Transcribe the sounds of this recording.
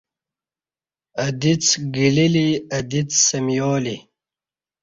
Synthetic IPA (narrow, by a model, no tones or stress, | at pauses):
ɐd̪it͡sɡililiɐd̪it͡ssɐmjoːli